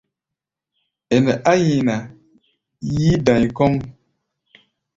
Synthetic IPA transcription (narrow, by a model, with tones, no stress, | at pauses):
ɛ˨nɛ˨ʔa˦ji˨na˨ | jiː˦dã˨ɲ˨kɔ˦m